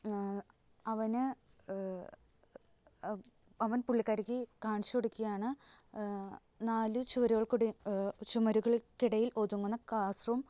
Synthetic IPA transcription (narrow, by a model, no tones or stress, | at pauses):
ɐʋɐnɨ | ɐʋɐnpuɭːikːaːɾikʲːikaːɳɕioɽukʲːuɐjaːɳɨ | naːlɨt͡ɕuʋɐɾuɣɐɭkuɽt͡ɕumɐɾuɣɐɭilkiɽɐjiloðuŋːunːɐkaːsrɐm